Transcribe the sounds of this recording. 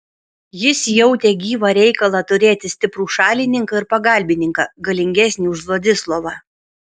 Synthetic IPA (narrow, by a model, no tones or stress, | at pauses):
jɪsjɛʊt̪ʲeːɡʲiːʋɐɾʲɛɪkɐlˠɐt̪ʊɾʲeːt̪ʲɪsʲt̪ʲɪpɾuːʃɑːlʲɪnʲɪŋkɐɪɾpɐɡɐˑlʲbʲɪnʲɪŋkɑːɡɐlʲɪŋʲɡʲɛsʲnʲiːʊʒlˠoːd̪ʲɪslˠoːʋɑː